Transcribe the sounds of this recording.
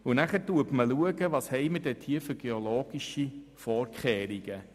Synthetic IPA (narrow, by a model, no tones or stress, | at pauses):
ʊnæχəɾtuəpməluəɡəʋɑːshɛɪmədɛtʰiːəfʏɾɡ̥eoloːɡ̥iʃifɔːɾkχɛːɾiɡ̥ə